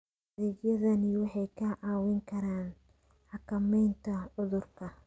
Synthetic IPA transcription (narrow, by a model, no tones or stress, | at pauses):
ɐðɛːɡjɐðɐnɪwɑħɑjkʰɐʔaːwɪŋkʰɐɾaːn | ħɑkʰɐmɛjnt̪ʰɐʕʊðʊrkʰɐ